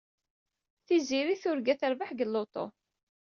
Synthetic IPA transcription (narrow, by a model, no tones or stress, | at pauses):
θiziɾiθʊɾɡæθəɾvəħɡəlːot̪ˤo̰